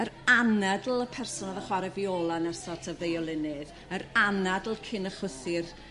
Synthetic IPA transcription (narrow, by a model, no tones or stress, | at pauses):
əɾanadl̩ˠəpʰɛrsɔnaðəχwaɾɛvioːlˠanərsɔtʰəvejɔlˠɪnɨð | əɾanadl̩ˠkʰɪnəχʊθɪr